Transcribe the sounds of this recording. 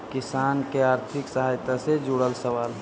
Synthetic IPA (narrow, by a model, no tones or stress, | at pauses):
kɪsaːnkeaːɾt̪ʰɪksəɦaːjt̪ased͡ʒuɽəlsəʋaːl